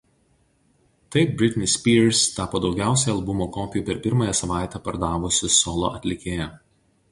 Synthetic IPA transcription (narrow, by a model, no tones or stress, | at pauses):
t̪ɐɪp̚bʲɾʲɪt̪ʲnʲɪsʲpʲiːɾst̪ɑːpoːd̪ɒʊɡʲæˑʊsʲɛɪɐlˠbʊmoːkɔːpʲɪjuːpʲɛɾpʲɪɾmɑːjɛsɐʋɑˑɪt̪ʲæːpɐɾd̪ɑːʋʊsʲɪsɔːlˠo̰ːʔɐt̪ʲlʲɪkʲeːjɛ